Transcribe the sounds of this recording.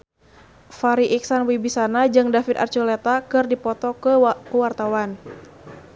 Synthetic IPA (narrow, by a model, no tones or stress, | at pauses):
faɾiʔiksanwibisanad͡ʒɨŋdafit̪a̰rt͡ʃulet̪akɨrdipɔt̪ɔkəkəwart̪awan